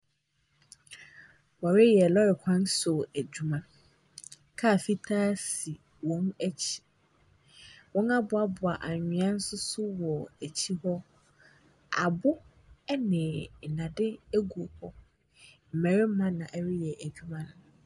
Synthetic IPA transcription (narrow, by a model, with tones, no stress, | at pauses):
wa˨ɾɪ˦jɛ˨lɔ˦ɾɪ˨kʷʰã˦n˦sʊ˨æ˨d͡ʑᶣu˨mã˦ | kʰa˦˨fi˦tʰa˦si˨ | wɔ̃˦næ˦t͡ɕʰi̥˨ | wɔ̃˦na˦bʊ˨a˦bʊ˨a˨ʔa˨ɲᶣɪ̃˨ã˦n̩˦sʊ˦sʊ˦wɔ˨æ˨t͡ɕʰi˦hɔ˦ | a̰˨bʊ˦ | ɛ˦nɪ̃˨nã˨dɪ˦æ˦ɡu˨o˨hɔ˦ | m̩˨mæ˨ɾɪ˦m˦mã˦nã˨ʔæ˨ɾɪ˦jɛ˨ʔæ˨d͡ʑᶣu˦mã˦nʊ̃˨